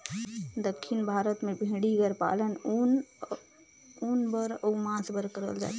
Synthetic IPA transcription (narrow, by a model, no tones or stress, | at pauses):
d̪əkʰːinbʱaɾət̪mebʱĩɽiɡəɾpa̰lənn | unbəɾəumãsbəɾkəɾə̰ld͡ʒa̰t̪